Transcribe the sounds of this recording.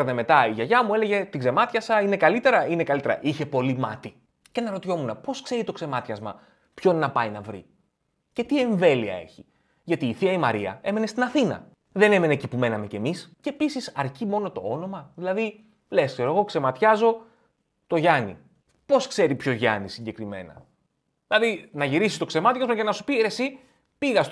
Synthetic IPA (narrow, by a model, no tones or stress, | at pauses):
neme̞t̪ɐiʝɐʝɐmue̞leʝe̞t̪iɡze̞mɐt̪çɐsɐine̞kɐlit̪e̞ɾɐine̞kɐlit̪e̞ɾɐ̰ʔiçe̞po̞limɐt̪i | ce̞nɐɾo̞t̪iço̞munɐpo̞skse̞ɾit̪o̞kze̞mɐt̪çɐzmɐ | pço̞nnɐpɐinɐvɾḭ | ce̞t̪ie̞ɱve̞liɐ̰e̞̰çi̥ | ʝɐt̪iːθiɐimɐɾiɐ̰e̞me̞ne̞st̪inɐθinɐ̰ | ðe̞ne̞me̞neːcipume̞nɐme̞ce̞misce̞ːpisisɐɾcimo̞no̞t̪o̞o̞no̞mɐðilɐði | le̞skse̞ɾoɣo̞kse̞mɐt̪çɐzo̞ | t̪o̞ʝɐnḭ | po̞skse̞ɾipçozʝɐ̰nisiɲɟe̞kɾime̞̰nɐ̰ | ðilɐðinɐʝiɾisist̪o̞kse̞mɐt̪çɐzmɐcenɐsu̥piɾe̞si | piɣɐs